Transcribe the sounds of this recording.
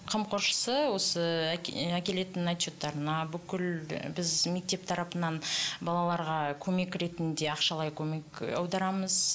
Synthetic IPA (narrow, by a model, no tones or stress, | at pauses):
qʰəmqʰo̞ɾʃə̥səwo̞səækʲe̞le̞t̪ɪnat̪ːo̞t̪ːɑɾənɑbʏkʲɪlbɪzme̞k̚t̪e̞p̚t̪ʰɑɾɑpənɑnbɑlˠɑlˠɑɾʁɑkʲʰɵme̞kɾe̞t̪ɪnd̪e̞ɑqʃɑlˠɑjkʲʰɵme̞kɑ̰wd̪ɑɾɑməz̥